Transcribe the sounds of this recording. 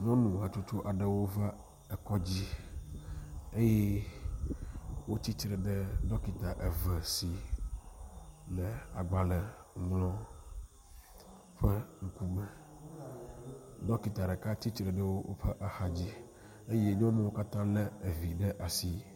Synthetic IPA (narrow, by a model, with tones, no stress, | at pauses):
ɲɔ̃˦nũ˨a˨t͡ʃu˦t͡ʃo˦ʔa˨ɖɛ˨wo˦va˦ | ɛ˨kɔ˦d͡ʑi˦ | e˦je˦ | wo˦t̪i˦t͡ʃɾɛ˨ɖɛ˦ɖɔ˦ki˨t̪a˨ʔɛ˨vɛ˨si˨ | lɛ˨a̰˨ɡ͡ba˨lɛ˨ŋlɔ̃˦ | ɸɛ˦ŋ̩˦ku˦mɛ˨ | dɔ˦ki˨t̪a˨ɖɛ˨ka˦t̪i˦t͡ʃɾɛ˨ɖə˦wo˦wʔo̰˦ɸɛ˦ʔa˨xa˨d͡ʑi˦ | e˦je˦ɲɔ̃˦mẽ˦wo˦ka˦t̪ã˦lɛ˦e˨vi˨ɖɛ˦ʔa˨si˦